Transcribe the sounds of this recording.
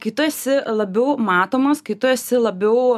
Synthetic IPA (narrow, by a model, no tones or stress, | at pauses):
kɪt̪ʊɛsʲɪlˠɐbʲɛʊmɑːt̪oːmɐskɪt̪ʊɛsʲɪlˠɐbʲɛʊ